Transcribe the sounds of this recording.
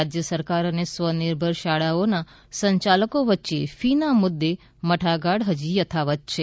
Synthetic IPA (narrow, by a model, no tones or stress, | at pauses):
ad͡ʒjəsəɾkaɾənesʋənɪɾbʱəɾʃaɭaona | səɲt͡ʃaləkoʋətːt͡ʃefinamʊd̪ːe | məʈʰaɡaɽɦəd͡ʒijət̪ʰaʋət̪̚t͡ʃʰe